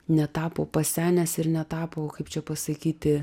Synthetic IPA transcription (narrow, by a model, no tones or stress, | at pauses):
nʲɛt̪ɑːpoːpɐsʲæːnʲɛsɪɾnʲɛt̪ɑːpoːkɐɪpt͡ʃʲɛpɐsɐkʲiːt̪ʲɪ